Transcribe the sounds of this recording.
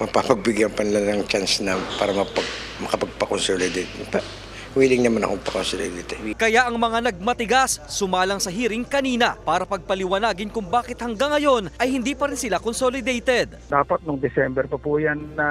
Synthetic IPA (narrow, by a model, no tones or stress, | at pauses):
mɐɡ̚papɐɡ̚bɪɡjɐŋpɐnɪlanɐŋt͡ʃansnɐpaːɾɐmɐpɐɡ̚ | mɐkɐpɐɡ̚pɐkonsolɪd̪ɛt̪̚pɐ | wiːlɪŋnɐmanɐ̰kopɐkonsolɛd̪et̪ɛkɐjaʔɐŋmɐŋanɐɡ̚mɐt̪ɪɡasːʊmaːlɐŋsɐɦiːɾɪŋkɐniːnɐpaːɾɐpɐɡ̚pɐlɪwɐnaːɡɪnkʊŋbaːkɪt̪̚hɐŋɡaŋːɐjo̞nʔɐjhɪnd̪iːpɐɾɪnsɪlakonsolɪd̪ɛjt̪ɛd̪̚d̪aːpɐt̪̚nʊŋd̪ɪsɛmbɛɾpɐpujanːɐ